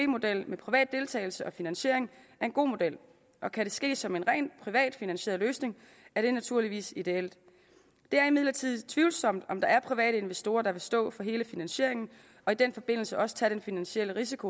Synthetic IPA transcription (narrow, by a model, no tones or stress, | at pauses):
emo̝d̥el̰mepʰʁiʋɛ̰ːd̥̚ːe̝lt͡sʰɛ̰ɪl̩səʔɒ̽finænɕe̝ɐ̰e̝ŋæɐe̝nɡo̝̰ːmo̝d̥el̰ | ɒ̽kʰæɾ̥e̝sɡ̥e̝̰ːsɒ̽me̝nʁɛ̰ːnpʰʁiʋɛ̰ːd̥finænɕe̝̰ɐð̩ˠløːsne̝ŋ | æɐɾ̥e̝næt͡sʰuɐ̰liʋḭːsid̥e̝el̰d̥ | d̥e̝æɐimiðˠlɐt͡sʰið̰ˠt͡sʰʋiʊlsɒ̽m̰d̥ɒ̽md̥ɑ̈æɐpʰʁiʋɛ̰ːɾ̥əe̝nʋesd̥o̝ːɐd̥ɑ̈ʋe̝sd̥ɔ̰̽ːfɒ̽ɦe̝ːləfinænɕe̝ɐe̝ŋn̩ | ɒ̽id̥enfɒ̽b̥e̝n̰l̩səʔɒ̽sə̥t͡sʰæd̥ɾ̥enfinænɕiel̰əʁis̬ikʰo̝